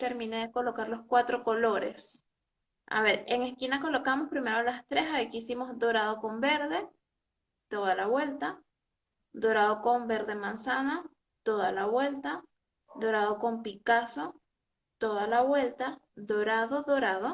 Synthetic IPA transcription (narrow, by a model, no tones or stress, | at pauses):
t̪e̞ɾmĩneðe̞ko̞lo̞kaɾlo̞skwat̪ɾo̞ko̞lo̞ɾḛs | a̰βe̞ɾe̞ŋe̞skinako̞lo̞kamo̞spɾime̞ɾolast̪ɾe̞saikiisimo̞zd̪o̞ɾað̞o̞ko̞mbe̞ɾðe̞ | t̪o̞ðalaβwe̞lt̪a | d̪o̞ɾaðo̞ko̞mbe̞ɾðe̞mansana | t̪o̞ðalaβwe̞lt̪a | d̪o̞ɾaðo̞ko̞mpikaso̞ | t̪o̞ðalaβwe̞lt̪ad̪o̞ɾaðoðo̞ɾaðo̞